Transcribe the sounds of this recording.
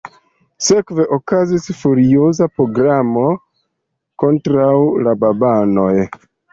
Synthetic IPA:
se̞kve̞ʔo̞kazisfuɾio̞zapɾo̞ɡɾamo̞ | ko̞ntɾawlababano̞j

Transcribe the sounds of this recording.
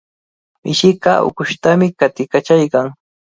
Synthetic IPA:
mɪʃɪkaʊ̰kʊʃt̪amɪkat̪ɪkat͡ʃajkaŋ

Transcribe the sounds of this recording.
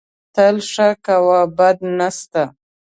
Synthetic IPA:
t̪əlʂakawabad̪nast̪a

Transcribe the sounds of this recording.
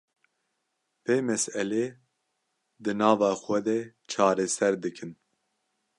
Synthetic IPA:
peːmɛsɛleː | d̪ɨnɑːvɑːxʷɛd̪ɛ | t͡ʃʰɑːɾɛsɛɾd̪ɨkʰɨn

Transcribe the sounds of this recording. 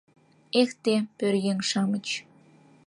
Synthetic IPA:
ext̪epørjeŋʃɑmə̆t͡ɕ

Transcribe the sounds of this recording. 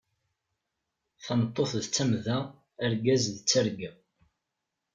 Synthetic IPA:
θɑnət̪ˤːoθðt͡sːæmðæː | ɾɡæzðt͡sːæɾɡæ

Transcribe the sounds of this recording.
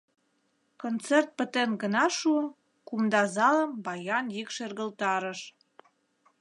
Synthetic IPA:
kont͡sert̪̚pə̆t̪enɡə̆nɑʃuəm | kumd̪ɑzɑlə̆mbɑjɑnjikʃerɣəlt̪ɑɾəʃ

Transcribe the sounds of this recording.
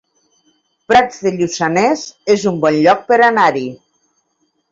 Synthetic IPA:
pɾad͡zðeʎusanezezumbɔnʎɔk̚pəɾanaɾi

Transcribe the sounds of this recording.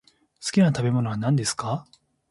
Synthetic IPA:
sɨ̥kʲinat̪abe̞mo̞no̞βanãnd̪e̞sɨ̥ka

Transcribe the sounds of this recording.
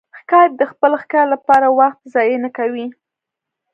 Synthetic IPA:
xkɑjat̪̚d̪əxpəlxkɑlapɑɾawaxt̪zɑjənakawi

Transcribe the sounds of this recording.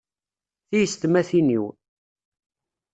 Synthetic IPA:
θijəst̪mæθiniw

